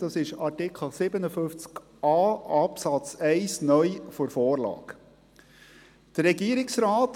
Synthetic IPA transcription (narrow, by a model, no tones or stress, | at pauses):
d̥ɑsɪʃɑtɪkχəl̩sɪbənəfʏft͡sk | ʔɑːɑpsɑt͡sɛɪsnœʏfɔɾfoːrlɑ̰ːk | d̪̥əɾɛɡiəɾɪksɾɑːt